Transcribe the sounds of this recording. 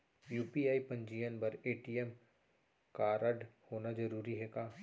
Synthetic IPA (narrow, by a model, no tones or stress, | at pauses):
juːpiaːipɐ̃ɲd͡ʒiːjənbɐɾeːʈiɛm | kaːɾəɖhoːnad͡ʒɐɾuːɾiɦɛkaː